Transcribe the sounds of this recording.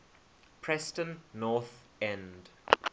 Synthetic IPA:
pʰɹɛstə̃nːɔθ | ɛ̃nd

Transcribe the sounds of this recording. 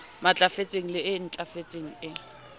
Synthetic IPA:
mat͡ɬʼafet͡sʼeŋ̩lɪɪn̩t͡ɬʼafet͡sʼeŋ̩ɪ

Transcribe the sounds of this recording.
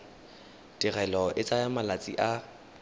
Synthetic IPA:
tɪrɛlɔʔɪt͡sʼajamalat͡sʼiʔa

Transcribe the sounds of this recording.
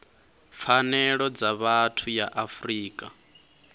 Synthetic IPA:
fanɛɺɔd͡zaβatʰujaʔafriːkʼa

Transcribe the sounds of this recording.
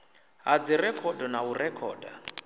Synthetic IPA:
ɦad͡zirɛkʰɔdɔnaurɛkʰɔ̰ːda

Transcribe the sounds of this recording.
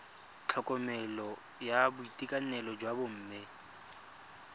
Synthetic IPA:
t͡ɬʰɔkʼɔmɛlɔ | jabʊitʼikʼanɛlɔd͡ʒwabʊm̩ːmɪ

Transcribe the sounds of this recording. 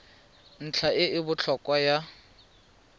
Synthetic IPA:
n̩t͡ɬʰaɪɪbʊt͡ɬʰɔkʼwaja

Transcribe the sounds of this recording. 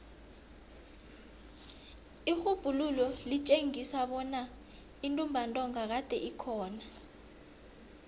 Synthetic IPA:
ixub̥ʱululɔlit͡ʃʼeŋisaɓɔna | intʼumbʱantʼɔŋak̬ad̥ʱɛʔikʰɔːna

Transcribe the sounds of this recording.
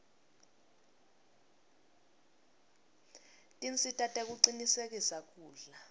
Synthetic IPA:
tʼint͡sʼitʼatʼɛk̬uǀinisek̬isak̬ʼuːɮa

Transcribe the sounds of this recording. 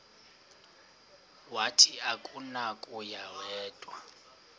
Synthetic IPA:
watʰʼiakʼunakʼujawɛːtʼwa

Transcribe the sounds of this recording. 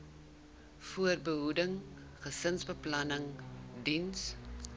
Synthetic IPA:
fuərbəɦudəŋ | χəsənsbəplɐnəŋdins

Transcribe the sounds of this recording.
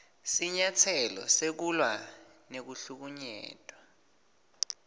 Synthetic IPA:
siɲatʰɛlɔ̰sek̬ulwa | nek̬uɬuk̬uɲɛ̰ːtʼwa

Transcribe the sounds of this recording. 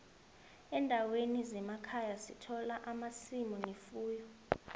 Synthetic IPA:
ɛndʱawenizɛmakʰajasitʰɔlaʔamasimɔnefuːjɔ

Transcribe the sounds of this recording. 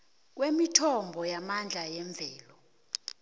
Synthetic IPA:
k̬wemitʰɔmbʱɔjamand͡ɮʱajɛɱb̪vʱɛːlɔ

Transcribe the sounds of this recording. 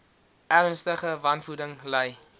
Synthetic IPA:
ʔærənstəχəvɐnfudəŋləj

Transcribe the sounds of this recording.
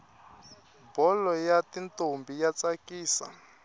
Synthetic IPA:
bɔlɔjatintombijat͡sakiːsa̰

